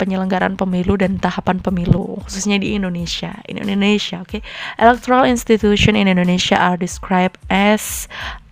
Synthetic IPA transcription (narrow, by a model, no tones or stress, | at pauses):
pəɲələŋɡaɾa̰npəmiludant̪ahapanpəmilṵhususɲadiːndonesia̰ḭnnindonesiaokeʔelɛk̚t̪oɾalinst̪it̪uʃiɔninindoneʃia̰ʔardiskɾajb̚ɛs